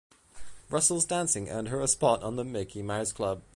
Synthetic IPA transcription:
ɹʌsl̩ˠzdæ̃nsɪ̃ŋə̰̃nə˞əspɑɾn̩ðəmɪkʰimaɪz̥kʰl̥ʌb̥̚

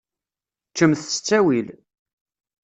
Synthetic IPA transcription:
t͡ʃːəmθsə̥t͡sːæwil

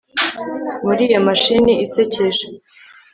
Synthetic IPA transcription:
muɾiːjomaʃiniise̞ceʒe

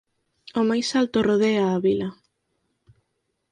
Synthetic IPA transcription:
ʊmajsalt̪oroð̞eaːβilɐ

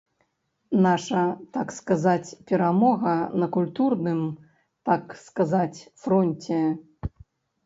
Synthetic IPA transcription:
naʂɐt̪akskazat͡sʲpʲɛɾamɔɣɐnɐkulʲt̪urnɨm | t̪akskazat͡sʲfɾɔnʲt͡sʲɛ

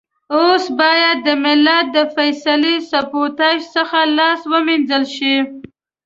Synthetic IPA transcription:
osbɑjad̪̚ːəmɪlat̪̚d̪əfajsalisapot̪ɑʃsəxalɑswəminzəlʃi

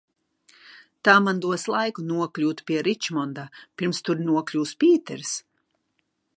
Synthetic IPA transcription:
t̪aːmand̪uɔslˠajkunuɔklʲuːt̪pʲiɛɾit͡ʃmɔnd̪apʲiɾmst̪uɾnuɔklʲuːspʲiːt̪ɛɾs

